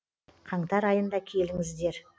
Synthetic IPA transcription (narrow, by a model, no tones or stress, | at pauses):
qʰɑɴt̪ɑɾɑjənd̪ɑkʲʰe̞lɪŋɪzd̪e̞ɾ